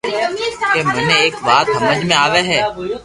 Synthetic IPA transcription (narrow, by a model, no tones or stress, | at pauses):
kemʊnẽeːkbaːt̪ɦɐməd͡ʒmẽaːʋeɦɛː